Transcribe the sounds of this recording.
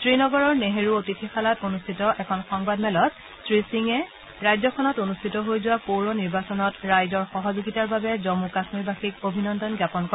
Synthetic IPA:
tɹinɔɡɔɹɔɹneɦeɹuotitʰixʰalatonustʰitɔʔɛkʰɔnxɔŋbadmɛlɔt̚ | tɹisiŋɛ | ɹajzɔkʰɔnɔtonustʰitɔɦojzʊwapowɹɔniɹbasɔnɔtɹajzɔɹxɔɦɔzuɡitaɹbabɛzomukasmibaxikobʱinɔndɔnɡjapɔnkɔ

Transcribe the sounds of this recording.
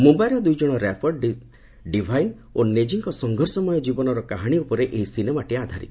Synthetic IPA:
mumbajɾɔd̪ujd͡ʒɔɽ̃ɔɾapʰɔɖɖ | ɖibʱajn | oned͡ʒiŋkɔsɔŋɡʱɔɾsɔmɔjɔd͡ʒibɔnɔɾɔkaɦaɽ̃iupɔɾeʔeɦisinemaʈiad̪ʱaɾi

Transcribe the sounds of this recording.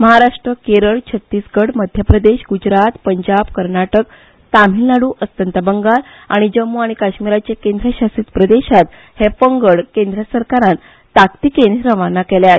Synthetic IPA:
məɦaɾaʂʈɾəkeɾəɭt͡ɕʰət̪ːiːsɡəɽməd̪ʱjəpɾəd̪eɕɡud͡ʑɾat̪pəɲd͡ʑabkəɾɳaʈək | t̪am̤ilnaɽuːʔəst̪ənt̪əbəŋɡal | aɽ̃id͡ʑəmːuaɽ̃ikaɕmiɾat͡ɕekend̪ɾəɕasiːt̪pɾəd̪eɕat̪ | hepəŋɡəɭkend̪ɾəsəɾkaɾãnː | akt̪ikenɾəʋanakɛleaɦet̪

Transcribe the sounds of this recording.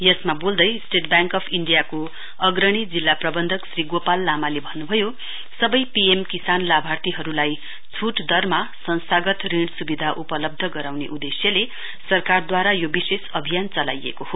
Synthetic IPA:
jʌsmabold̪ʌjsʈeʈ̚bjaŋkʌpʰiɳɖijako | ʌɡɾʌɽ̃id͡zilːaprʌbʌnd̪ʱʌksriɡopalːamalebʱʌnːubʱʌjo | sʌbʌjpiemkisanlabʱart̪iɦʌɾulaj | t͡sʰuʈd̪ʌrmasʌnsaɡʌt̪riɽsubid̪ʱaʔupʌlʌb̚d̪ʱʌɡʌɾawnḛʔud̪esjʌle | sʌrkard̪waɾajobisesʌbʱijant͡sʌla̰jḛkoho

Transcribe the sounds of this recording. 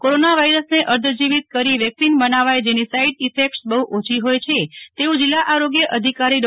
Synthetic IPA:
koɾonaʋaiɾəsneʔəɾd̪ʱd͡ʒiʋit̪̚kəɾiʋjəksinbənaʋajd͡ʒenisaiɖifekʈsbəɦuʔot͡ʃʰiɦojt͡ʃʰet̪eũd͡ʒilːaʔaɾoɡjəʔəd̪ʱikaɾiɾ

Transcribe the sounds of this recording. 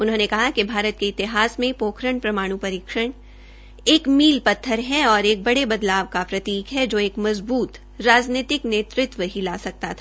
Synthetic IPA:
ʊnɦõːnekɐɦakibʱaːɾət̪̚keɪt̪ɪɦaːsmẽpoːkʰɾəɳpɾɐmaːɽ̃ũpɐɾiːkʃəɽ̃ | eːkmiːlpɐt̪ʰːəɾɦɛɔːɾeːk̚bɐɽebɐd̪laːʋkapɾɐt̪iːkɦɛd͡ʒoːeːkmɐzbuːt̪ | ɾaːd͡ʒniːt̪ɪkneːt̪ɾɪt̪ʋəɦila̰ːsɐk̚t̪at̪ʰaː

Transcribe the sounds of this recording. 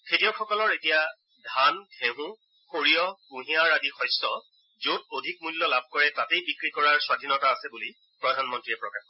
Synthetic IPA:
kʰetiɔxɔkɔlɔɹetija | dʱanɡʱʰeɦũ | xoɹijɔkũɦĩaɹadixɔjstɔ | zot̚odʱik̚mulːɔlab̚ʱkɔɹɛtatejbikɹikɔɹaɹswadʱinɔtaːsɛbuli | pɹɔdʱanmɔntɹiɛpɹɔkax

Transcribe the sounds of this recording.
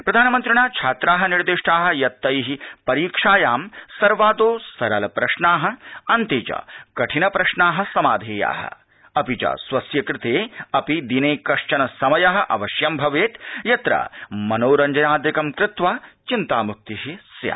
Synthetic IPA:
pɾɐd̪ʱaːnɐmɐnt̪ɾɪɳaːt͡ʃʰaːt̪ɾaːɦɐ̆niɾd̪iʂʈaːɦɐ̆jɐt̪ːɐjɦipɐɾiːkʂaːjaːmsɐɾʋaːd̪oːsɐɾɐlɐpɾɐʂɳaːɦɐ̆ɐnt̪it͡ʃɐ̰kɐʈʰinɐpɾɐʂɳaːɦɐ̆sɐmaːd̪ʱeːja̰ːɦɐ̰ | ɐpit͡ʃɐ̰sʋɐsjɐkɾɪt̪eːɐpid̪ineːkɐʂt͡ʃɐnɐsɐmɐjɐɦɐ̆ʔɐ̰ʋɐʃjɐmbʱɐʋeːt̪jɐt̪ɾɐ̰mɐnoːɾɐɲd͡ʒɐnaːd̪jɐkɐmkɾɪt̪ʋaːt͡ʃint̪aːmuk̚t̪iɦisja̰

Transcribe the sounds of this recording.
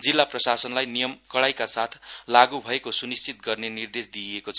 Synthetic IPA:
d͡zilːaprʌsasʌnlajnijʌmkʌɽajkasat̪ʰlaɡubʱʌekosunist͡sit̪ɡʌrnenird̪esd̪iekot͡sʰʌ

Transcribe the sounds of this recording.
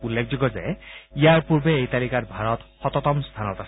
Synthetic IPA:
ulːekʰd͡ʒoɡɔza̰jijaɹpuɹbeejt̪alikatbʱaɹɔt̪xɔt̪ɔt̪ɔmst̪ʰanɔt̪asʰ

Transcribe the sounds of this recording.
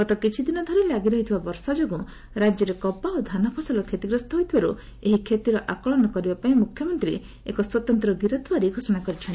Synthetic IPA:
ɡɔt̪ɔkit͡ʃʰid̪inɔd̪ʱɔɾelaɡiɾɔɦit̪ʰibabɔɾsad͡ʒoɡũ | ɾad͡ʒjɔɾekɔpaod̪ʱanapʰɔsɔlɔkʰet̪iɡɾɔst̪ɔɦojt̪ʰibaɾu | eɦikʰet̪iɾɔʔakɔɭɔnɔkɔɾibapaĩmukʰjɔmɔnt̪ɾḭ | ekɔswɔt̪ɔnt̪ɾɔɡiɾɔt̪waɾiɡʱosɔɽ̃akɔɾit͡ʃʰɔnt̪i

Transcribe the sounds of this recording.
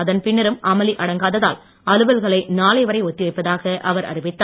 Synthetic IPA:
ɐðɐnpɪɳːɐɾɯmʔɐmɐliʔɐɽɐŋɡaːðɐða̰ːl | ɐlɯʋɐlɣɐɭɐɪnaːlɐɪʋɐɾɐɪɔt̪ːɪʋɐɪpːɐðaːɣɐʔɐʋɐɾɐ̰ɾɪʋɪt̪ːaː

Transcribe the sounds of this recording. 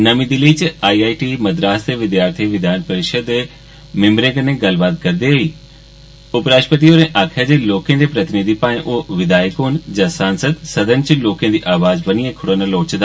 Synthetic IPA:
nɐmĩd̪ɪlit͡ɕɪaːiaːiʈimɐd̪ɾaːst̪eʋɪd̪jaːɾt̪ʰiʋɪd̪ʱjaːnpɐɾɪʃəd̪ | mɪmɾẽɡənẽɡɐlbaːt̪̚kɐɾd̪eɐiː | ʊpɾaːʃpət̪ioːɾɛ̃ːʔaːkʰɪjəd͡ʑeːloːkẽnd̪epɾɐt̪ɪnid̪ʱipãːɪ̃ʔʊɦʋɪd̪aːjkoːnd͡ʑasaːnsəd̪sɐd̪ʱənɪ̆t͡ɕiloːkj̃ẽnd̪iːʔaːʋaːzbɐniːɦɛ̃ːkʰʊɽənəloːt͡ɕd̪a

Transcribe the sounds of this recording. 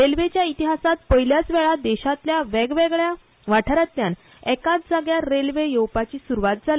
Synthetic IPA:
ɾelʋet͡ɕjait̪iɦasat̪̚pəɦiljat͡sʋɛɭad̪ɛɕat̪ljaʋɛɡʋeɡɭja | ʋaʈʰaɾat̪ljan | ɛkat͡sd͡zaɡjaɾelʋejowpat͡ɕiːsuɾuʋat̪̚d͡zʱal

